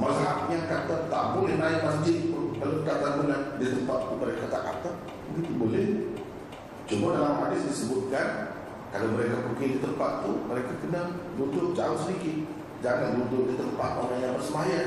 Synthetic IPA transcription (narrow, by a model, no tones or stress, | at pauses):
masɦapiɲakat̪ət̪a̰ʔbolɛhnnaɪʔ̚masd͡ʒɪbaluəkat̪anbuladit̪əmpat̪̚t̪uməɾekat̪a̰ʔka̰t̪ək̚ | bəɡit̪ubolɛh | t͡ʃumadalamhadɪsdisəbut̪̚kan | kalaməɾekapukɪŋdit̪əmpat̪̚t̪uməɾekakənalunt̪ʊʔ̚d͡ʒaʊnsədikɪt̪̚ | d͡ʒaŋanblunt̪ʊʔ̚dit̪əmpat̪̚amaɲabərsəmaja